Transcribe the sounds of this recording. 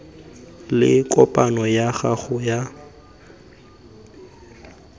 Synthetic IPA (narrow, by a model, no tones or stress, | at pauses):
lɪ̰kʼɔpʼanɔjaχaχʊja